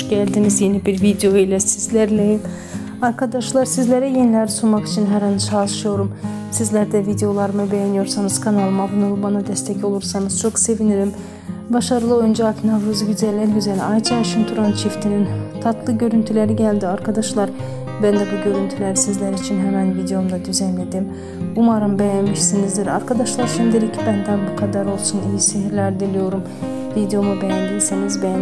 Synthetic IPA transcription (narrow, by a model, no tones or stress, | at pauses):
ɟælʲd̪inizjenibiɾvid̪ejo̞ilʲɛsizlʲæɾlʲɛjim | aɾkʰad̪aʃlˠaɾsizlʲeɾɛjenilʲæɾsunmaki̥t͡ʃʰinɦæɾhant͡ʃʰalˠɯʃɯjo̞ɾum | sizlʲæɾd̪ɛvid̪ejo̞lˠaɾɯmɯbɛjanijo̞ɾsanɯz̥kʰanalˠɯmabunulˠɯbanad̪ɛst̪ʰɛcʰo̞lˠuɾsanɯz̥t͡ʃʰo̞kse̞viniɾim | baʃaɾɯlˠɯo̞jynd͡ʒɛaknavɾuzɯɟyzælʲːæɾɟyzælʲɛajt͡ʃʰaʃɯmt̪ʰuɾant͡ʃʰift̪ʰinint̪ʰat̪lˠɯɟø̞ɾynt̪ʰylʲe̞ɾiɟælʲd̪iaɾkʰad̪aʃlˠaɾ | bænd̪ɛbuɟø̞ɾynt̪ʰylʲæɾsizlʲæɾit͡ʃʰinɦɛɾand̪vid̪eo̞md̪ad̪yzɛnled̪im | bumaɾɯmbejænmiʃsinizd̪iɾaɾkʰad̪aʃlˠaɾʃʰimd̪eɾicʰibænd̪anbukʰad̪aɾo̞lˠsunijiseɦiɾlʲæɾd̪ilʲijo̞ɾum | vid̪ejo̞mubejænd̪isenizbej